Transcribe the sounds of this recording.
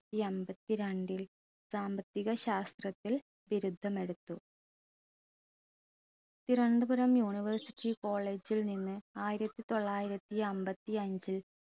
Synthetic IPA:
iɐmbɐt̪ːiɾeɳɖil | saːmbɐt̪ːiɣɐɕaːst̪rɐt̪ːil | ʋiɾud̪ʱːɐme̞ɽut̪ːu | t̪iɾɐɳɖɨbuɾɐmjuːniʋɐrsiʈːiko̞ːɭe̞ːd͡ʑilninːɨaːjiɾɐt̪ːit̪o̞ɭːaːjiɾɐt̪ːiɐmbɐt̪ːiɐɲd͡ʑil

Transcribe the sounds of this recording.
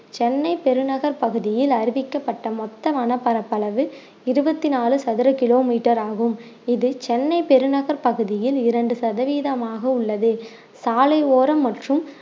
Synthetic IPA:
t͡ʃɛnːɐɪpɛɾɯnɐɣɐɾpɐɣɯðɪjɪlɐɾɪʋɪkːɐpːɐʈːɐmɔt̪ːɐmaːnɐpːɐɾɐpːɐlɐʋɯ | ɪɾɯbɐt̪ːɪnaːlɯsɐðɪɾɐkɪloːmiːʈːɐɾaːɣɯm | ɪðɯt͡ʃɛnːɐɪpɛɾɯnɐɣɐɾpɐɣɯðɪjɪlɪɾɐɳɖɯsɐðɐʋiːðɐmaːɣɐʊɭːɐðɯ | saːlɐɪoːɾɐmːɐʈrɯm

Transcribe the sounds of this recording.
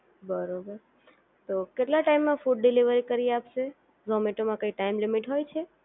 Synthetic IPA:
bəɾobəɾ | t̪okeʈlaʈaimːãfuɖ̚ɖɪliʋəɾikəɾiapʃe | zɔmeʈomãkəiʈaimlimiʈɦojt͡ʃʰe

